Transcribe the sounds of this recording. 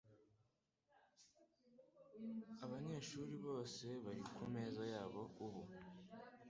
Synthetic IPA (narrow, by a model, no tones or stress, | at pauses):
aβaɲe̞ʃuːɾiβo̞ːse̞βaɾikʰume̞ːzajaːβo̞uβu